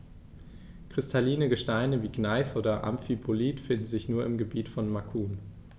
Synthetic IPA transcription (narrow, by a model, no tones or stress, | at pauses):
kʁ̥ɪstʰaliːnəɡəʃtaɪnəviːɡnaɪsʔoːdɐʔa̰mfipʰoliːtfɪndn̩zɪçnuːɐɪmɡəbiːtfɔnmakʰuːn